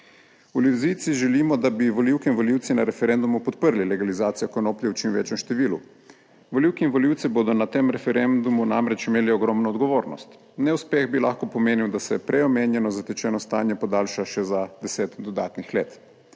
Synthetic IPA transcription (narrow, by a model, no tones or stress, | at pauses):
uljuzit̪siʒɛliːmɔd̪abiʋoliwkinʋɔliwt̪sinaɾɛfɛɾɛnd̪umupɔt̪̚pəɾlilɛɡalizaːt̪sijakɔnoːpljɛwt͡ʃimʋḛːt͡ʃjɛmʃt̪ɛʋilu | ʋoliwkiːnʋɔliwt̪sɛboːd̪ɔnat̪emɾɛfɛɾɛnd̪umunamɾɛt͡ʃimeːliɔɡɾɔmnɔːd̪ɡɔʋoːɾnɔ̰st̪ | nɛuspɛɣbilaːxkɔpɔmeːniwd̪asɛpɾʔɛjɔmeːnjɛnɔzat̪ɛt͡ʃɛːnɔst̪aːnjɛpɔd̪aːlʃaʃɛzad̪ɛseːt̪d̪ɔd̪aːt̪nixleːt̪